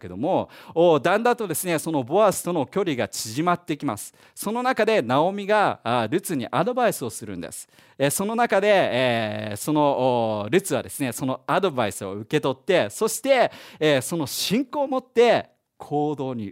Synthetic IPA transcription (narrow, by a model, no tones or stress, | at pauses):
ked̪o̞mo̞ːd̪ãnd̪at̪ːo̞d̪e̞sɨne̞so̞no̞bo̞asɨ̥t̪o̞no̞kʲo̞ɾʲiɡat͡ɕiʑimat̪ːe̞kʲima̰sɨ̥ | so̞no̞nakad̪e̞nao̞mʲiɡaɾɯ̟t͡sɨɲ̟ḭʔad̪o̞baisɨo̞sɨɾɯ̟̃nd̪ḛsɨ̥ | eso̞no̞nakad̪e̞ː | so̞no̞ɾɯ̟t͡sɨβa̰d̪e̞sɨne̞so̞no̞ad̪o̞baisɨo̞ɯ̟ke̞t̪o̞t̪ːe̞so̞ɕi̥t̪e̞so̞no̞ɕĩŋko̞ːmo̞t̪ːe̞ | kʰo̞ːd̪o̞ːɲ̟ḭ